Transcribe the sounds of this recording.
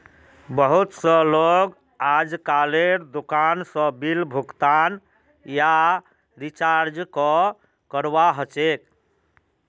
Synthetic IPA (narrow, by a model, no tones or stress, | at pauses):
bəɦut̪sə̃loɡ | ad͡ʒkaleɾd̪ukansə̃bilbʱukt̪an | ja | ɾit͡ʃaɾd͡ʒkɔ | kəɾbaɦət͡ʃek